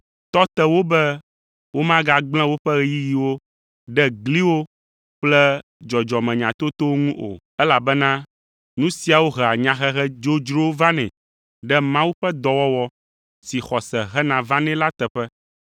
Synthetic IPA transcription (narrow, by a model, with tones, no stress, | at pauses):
t̪ɔ˦t̪ɛ˦wo˦bɛ˦ | wo˦mã˦ɡa˨ɡ͡bl̃ɛ̃˦wo˦ɸɛ˦ɣɛ˦ji˦ji˨wo˦ | ɖɛ˦ɡli˦wo˦ | k͡plɛ˦ | d͡ʒɔ˨d͡ʒɔ˨mɛ̃˨ɲã˨t̪o˦t̪o˦o˦ŋũ˦ʔo̰˨ | ɛ˦la˨bɛ˦nã˦ | nũ˦si˦a˨wo˦ɦɛ˨a˨ɲã˨ɦɛ˦ɦɛ˦d͡ʒo˦d͡ʒɾo˦va˦nɛ̰̃˨ | ɖɛ˦mã˦wu˦ɸɛ˦d̪ɔ˨wɔ˦wɔ˦ | si˨xɔ˨sɛ˨ɦɛ˦nã˨vã˦nɛ̃˦la˦t̪ɛ˨ɸɛ˦